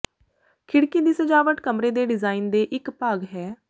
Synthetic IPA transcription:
kʰɪɽkiːd̪iːsəd͡ʒaːʋəʈkəmɾeːd̪eːɖɪzaːiːnd̪eːʔɪkpaːɡɦɛː

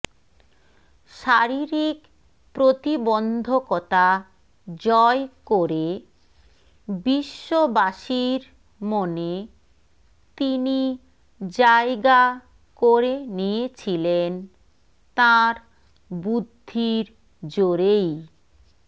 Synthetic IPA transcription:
ʃaɾiɾik | pɾot̪ibond̪ʱokɔt̪a | d͡ʑɔekoɾe | biʃːobaʃiɾ | mone | t̪ini | d͡ʑaeɡa | koɾenijet͡ɕʰilen | t̪aɾ | bud̪ʱːiɾ | d͡ʑoɾej

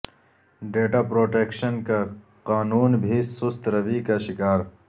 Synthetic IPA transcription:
ɖeːʈaːpɾoːʈeːkʃənka | qaːnuːnbʱisʊst̪ɾɐʋikaʃɪkaːɾ

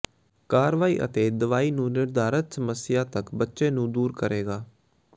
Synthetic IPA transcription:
kaːɾʋaːiːʔə̰t̪eːd̪əʋaːiːnũːnɪɾd̪aːɾət̪səməsɪjaːt̪əkbətːʃẽːnũːd̪uːɾkəɾʔeːɡaː

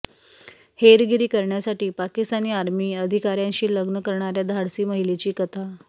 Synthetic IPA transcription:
heɾɡiɾiːkəɾɳjasaʈiːpakist̪aniːaɾmiːəd̪ʱikaɾjãɲɕiːləɡnəkəɾɳaɾjad̪ʱaɽsiːməɦilet͡ɕiːkət̪ʰa

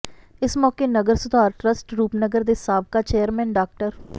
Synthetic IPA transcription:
ɪsmɔːkeːnəɡəɾsʊd̪ʱaːɾʈɾəsʈɾuːpnəɡəɾd̪eːsaːb̚kaːt͡ʃeːjəɾmɛ̃ːnɖaːk̚ʈəɾ

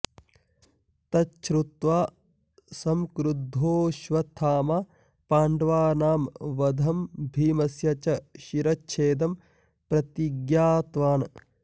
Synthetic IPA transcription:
t̪ɐt͡ʃɾut̪ʋaː | sɐmkɾud̪ʱːoːʃʋɐt̪ʰaːmaː | paːɳɖʋaːnaːmʋɐd̪ʱɐmbʱiːmɐsjɐt͡ʃɐʃiɾɐtːʃʰeːd̪ɐm | pɾɐt̪iɡjaːt̪ʋaːnɐ

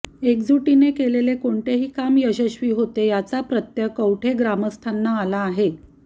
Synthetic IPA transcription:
ekd͡zuʈinekelelekoɳt̪eɦiːkamjəɕəɕʋiːɦot̪ejat͡sapɾət̪jəkəwʈʰeɡɾaməst̪ʰanːaːlaːɦe

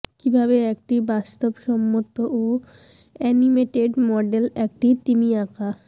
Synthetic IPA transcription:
kibʱabeɛkʈibast̪obʃɔmːot̪oʔo | ɛnimeʈeɖmɔɖelɛk̚ʈit̪imiakʰa

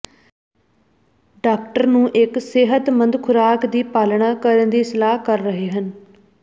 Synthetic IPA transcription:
ɖaːk̚ʈəɾnũːʔɪksɪɦət̪mənd̪kʰʊɾaːkd̪iːpaːlɳaːkəɾənd̪iːsɪlaːɦkəɾːəɦeːɦən

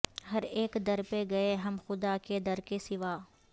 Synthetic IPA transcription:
hɐɾeːkd̪ɐɾpeɡɐeɦɐmxʊd̪aked̪ɐɾkesɪʋaː

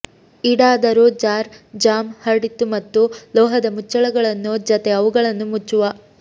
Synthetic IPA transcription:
iɽaːd̪ɐɾud͡ʒaːɾd͡ʒaːmhɐɽit̪ːumɐt̪ːulɔːɦɐd̪ɐmut͡ʃːɐɭɐɡɐɭɐnːud͡ʒɐt̪eɐʋuɡɐɭɐnːumut͡ʃːuʋɐ

